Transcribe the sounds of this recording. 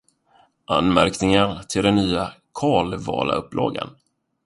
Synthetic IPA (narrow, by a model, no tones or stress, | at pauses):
ʔa̰nmæɾknɪŋaɾt̪ʰɪld̪ɛnːyːakʰɑːlvɑ̰ːla̰ɵpːlɑːɡə̰n